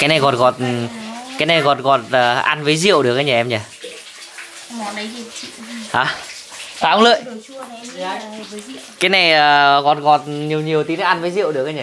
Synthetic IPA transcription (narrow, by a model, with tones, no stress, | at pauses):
kaː˨˦jna˨˩jɣɔ˨˩t̚ɣɔ˨˩t̚kaː˨˦jna˨˩jɣɔ˨˩t̚ɣɔ˨˩t̚əː˨˩ʔa˧nvəː˨˦jzḭ˧˨əwɗɨ˨˩ək̚ʔa˧jɲa˨˩ʔɛ˧mɲa˨˩˨ | i˧ḭ˧˨ʔaː˨˦ | faː˨˧˩hə˦ŋ͡mlə̰˧˨j | kaː˨˦jna˨˩jʔəː˨˩ɣɔ˨˩t̚ɣɔ˨˩t̚ɲi˨˩əwɲi˨˩əwt̪i˨˦n˨˦ʔa˧nvəː˨˦jzḭ˧˨ə˨wɗɨ˨˩ək̚aː˧˦ɲa˨˩